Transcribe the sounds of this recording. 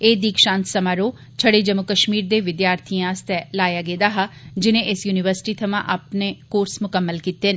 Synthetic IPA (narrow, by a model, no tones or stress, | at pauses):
eːd̪iːkʃãːnt̪səmaːɾoː | t͡ʃʰəɽeːd͡ʒəmːʊkəʃmiːɾd̪eːʋɪd̪jaːɾt̪ʰiãːst̪ɛːlaːjaːɡeːd̪aːɦad͡ʒɪnẽːʔɪsjuːnɪʋəɾsɪ̥ʈiːt̪ʰəmã̰ːʔaːpneːkoːɾsmʊkəmːəlkiːt̪eːn